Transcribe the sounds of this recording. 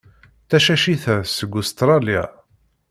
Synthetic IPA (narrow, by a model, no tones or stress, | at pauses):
θæʃæʃiθæsəɡːust̪ɾˤɑlia̰